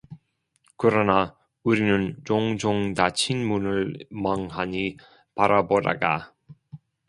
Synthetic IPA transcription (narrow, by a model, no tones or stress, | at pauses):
kɯɾʌna | uɾinɯnt͡ɕoŋd͡ʑoŋtat͡ɕʰinmunɯɭmaŋɦaɲi | paɾaboda̰ɡa̰